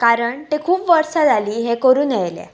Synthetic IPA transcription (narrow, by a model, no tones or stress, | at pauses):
kaɾəɳt̪ekʰuːpʋəɾsad͡zʱaliːɦekəɾuːnjɛjlḛ